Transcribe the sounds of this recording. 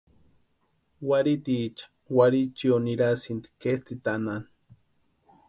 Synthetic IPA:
waɾit̪iːt͡ʃḁ | waɾit͡ʃioniɾasint̪i̥ket͡sit̪anan

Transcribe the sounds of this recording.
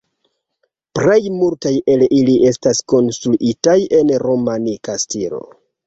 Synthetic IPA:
pɾe̞jmultajʔe̞liliʔe̞stasko̞nstɾuʔitaje̞nɾo̞manikastilo̞̰

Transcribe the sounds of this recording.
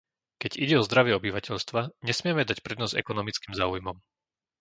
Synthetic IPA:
kɛɟiɟɛɔzd̪ɾaʋɪɛɔbiʋacɛʎst̪ʋaɲɛsmɪɛmɛd̪acpɾɛd̪nɔzɛ̰kɔnɔmit͡skimzaːujmɔm

